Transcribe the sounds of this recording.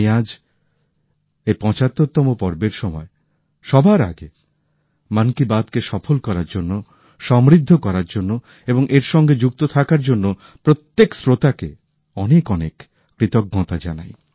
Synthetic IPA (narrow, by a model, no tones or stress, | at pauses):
iad͡ʑ | ejpɔ̃t͡ɕat̪ːoɾt̪ɔmopɔɾbeɾʃɔmɔe | ʃɔbʱaɾa̰ɡe | mankibad̪keʃɔfolkɔɾaɾd͡ʑonːo | ʃɔmɾid̪ʱːokɔɾaɾd͡ʑonːo | eboŋʔeɾʃɔŋɡed͡ʑuk̚t̪ot̪ʰakaɾd͡ʑonːo | pɾot̪ːeksɾot̪ake | ɔnekɔnekː | ɾit̪okɡɔ̃t̪ad͡ʑa̰na̰j